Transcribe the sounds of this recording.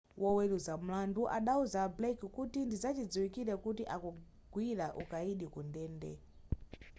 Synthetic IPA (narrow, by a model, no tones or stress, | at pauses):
wʔɔwɛluzam̩landuʔa̰ɗauzablɛkkutindizat͡ʃid͡ziwikiɾɛkutiʔaku | ɡwiɾaʔukaiɗikundɛːndɛ̰